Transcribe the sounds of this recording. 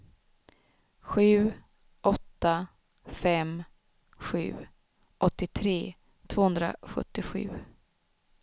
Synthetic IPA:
ɧʉ̟ː | ʔɔt̪ːa | fɛm | ɧʉ̟̰ː | ʔɔt̪ːɪt̪ʰɾeː | t̪ʰv̥oːɵnd̪ɾa̰ɧɵ̰t̪ːɪɧʉ̟̰ː

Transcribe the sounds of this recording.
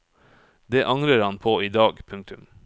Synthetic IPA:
d̪eːʔɑŋɾəɾhɑnpʰoːiːd̪ɑːɡpʰʉŋk̚t̪ʉm

